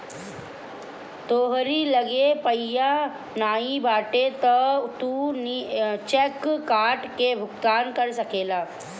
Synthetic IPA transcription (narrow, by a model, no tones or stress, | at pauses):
t̪oːɦɾiːləɡepəjːa | naibaʈet̪ət̪uːnit͡ɕekkaɾʈkebʱʊkt̪ankəɾsəkela